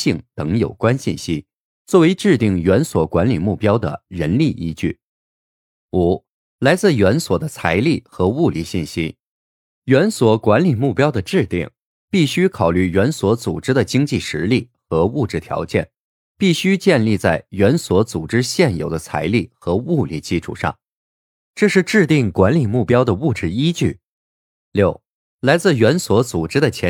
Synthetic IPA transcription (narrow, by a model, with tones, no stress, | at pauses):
ɕi˥˩ŋt̪ɤ˧˥ŋjo˨˩ʊkwa˥nɕi˥˩nɕi˥ | t͡swɔ˥˩we˧˥ɪʈ͡ʂɻ̩˥˧t̪i˥˩ŋɥɛ˧˥nswɔ˨˩kwa˧˥nli˨˩mu˥˩pjɑ˥ʊd̪ə̰˨˩ɻə˧˥nli˥˩ʔi˥t͡ɕy̰˥˩ | u˨˩˦ | la˧˥ɪt͡sɹ̩˥˩ɥɛ˧˥nswɔ˨˩d̪ə˦t͡sʰa˧˥ɪli˥˩xɤ˧˥u˥˧li˧˩ɕi˥˩nɕi˥ | ɥɛ˧˥nswɔ˨˩kwa˧˥nli˨˩mu˥˩pjɑ˥ʊd̪ə˨ʈ͡ʂɻ̩˥˧t̪ḭ˥˩ŋ | pi˥˩ɕy˥kʰɑ˨˩ʊly˥˩ɥɛ˧˥nswɔ˧˥t͡su˨˩ʈ͡ʂɻ̩˥d̪ə˨t͡ɕi˥ŋt͡ɕi˥˩ʂɻ̩˧˥li˥˩xɤ˧˥u˥˧ʈ͡ʂɻ̩˥˩t̪ʰjɑ̰˧˥ʊt͡ɕjɛ̰˥˩n | pi˥˩ɕy˥t͡ɕjɛ˥˧nli˥˧t͡sa˥˩ɪɥɛ˧˥nswɔ˧˥t͡su˨˩ʈ͡ʂɻ̩˥ɕjɛ˥˩njo˨˩ʊd̪ə˦t͡sʰa̰˧˥ɪli˥˩xɤ˧˥u˥˧lḭ˥˩t͡ɕi˥ʈ͡ʂʰṵ˨˩ʂɑ̰˥˩ŋ | ʈ͡ʂɤ˥˧ʂɻ̩˥˧ʈ͡ʂɻ̩˥˧t̪i˥˩ŋkwa˧˥nli˨˩mu˥˩pjɑ˥ʊd̪ə˨u˥˧˩ʈ͡ʂɻ̩˥˩i˥t͡ɕy˥˩ | ljo˥˩ʊ | la˧˥ɪt͡sɹ̩˥˩ɥɛ˧˥nswɔ˧˥t͡su˨˩ʈ͡ʂɻ̩˥d̪ə˨t͡ɕʰjɛ˧˥